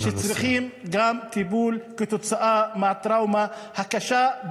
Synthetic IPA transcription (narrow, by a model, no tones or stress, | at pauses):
ʃɪt̪sɾɪxiːmɡaːmt̪ibuːlkɪt̪ʊt̪sɑʔaːʔmaʕɪt̪ːɾˤɑːwmahakːaʃaːʔ